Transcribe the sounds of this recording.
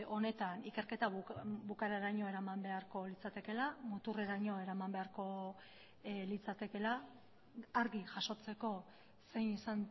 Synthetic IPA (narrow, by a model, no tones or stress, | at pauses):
o̞ne̞t̪anike̞ɾke̞t̪abukaɾaɾaɲo̞e̞ɾamambe̞aɾko̞lit͡sat̪e̞ke̞lamut̪ure̞ɾaɲo̞e̞ɾamambe̞aɾko̞ | lit͡sat̪e̞ke̞laː | ɾɣiʝaʃo̞t͡se̞ko̞ | se̞jnisan